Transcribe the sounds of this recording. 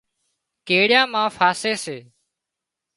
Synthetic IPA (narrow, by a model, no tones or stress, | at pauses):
keːɽɪjãːmãːfaːseːseː